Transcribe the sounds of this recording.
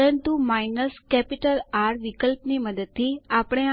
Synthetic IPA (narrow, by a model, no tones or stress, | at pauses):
ənt̪umaːɪnəskɛpɪʈəlaːɾʋɪkəlpniməd̪əd̪̚t̪ʰːiapɽ̃e